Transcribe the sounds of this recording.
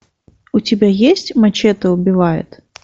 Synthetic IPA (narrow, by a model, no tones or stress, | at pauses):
ut͡sʲɪbʲajesʲtt͡sʲmat͡ɕʲɛt̪ɨʊbʲɪvajʊ̰t̪